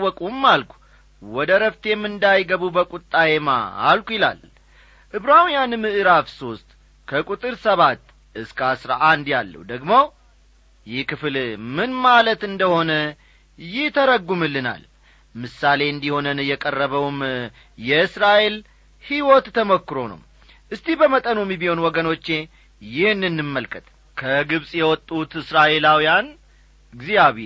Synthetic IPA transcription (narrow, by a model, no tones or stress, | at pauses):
wɔkʼumːalkʰʷu̥ | wɔd̪əɾəft̪jɛmːɨnd̪ajɡəβubəkʼut̪ʼːajema̰a̰lkʷujɪla̰l | ʔɨβɾawijanmɨʔɨɾafso̞st̪ʼ | kʰəkʼut̪ʼɨɾsəβat̪ː | ʔɨskʰasɾa̰ʔand̪jalːə̰wd̪əɡmo̞ | jɪhkɨflmɨnmalət̪ɨnd̪əho̞nə | jɪht̪ʰəɾəɡːumɨlːɨna̰l | mɨsale̞ɨnd̪iho̞nənjɛkʼərːəβəwm | jɛɨsɾaʔe̞l | hiwɔt̪ːʰəmokːɨɾo̞nə̰w | ʔɨst̪ʰibəmət̪ʼənomibiho̞nwɔɡəno̞t͡ʃːe̞ | jɪhnːɨnːɨmːəlkʰət̪ | kʰəɡɨβsʼjɛwɔt̪ʼːut̪ɨsɾaʔe̞lawijan | ɡzijaβe